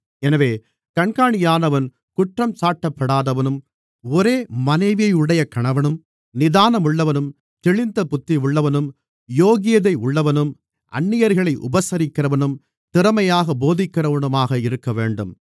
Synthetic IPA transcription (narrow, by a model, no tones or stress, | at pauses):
ɛnɐʋeː | kɐɳkaːɳɪjaːnɐʋɐn | kʊʈrɐmsaːʈːɐpːɐɽaːðɐʋɐnɯm | ɔɾeːmɐnɐɪʋɪjɐɪɯɽɐjɐkɐɳɐʋɐnɯm | nɪðaːnɐmʊɭːɐʋɐnɯm | t̪ɪɭɪnd̪ɐpʊt̪ːɪʊɭːɐʋɐnɯm | joːɣɪjɐðɐɪʊɭːɐʋɐnɯm | ʔɐ̰ɳːɪjɐɾɣɐɭɐɪʔʊ̰bɐsɐɾɪkːɪrɐʋɐnɯm | t̪ɪɾɐmɐjaːɣɐboːðɪkːɪrɐʋɐnɯmaːɣɐɪɾɯkːɐʋeːɳɖɯm